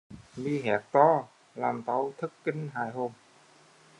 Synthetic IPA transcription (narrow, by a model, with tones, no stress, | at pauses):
liː˧˩ɦɛː˨˩˦k̚t̪ɔː˧˥˩ | la˧˩mt̪a˨˧˥wt̪ʰɯ˦˥kːi˧˥˨nɦaː˨˦jɦo˧˩m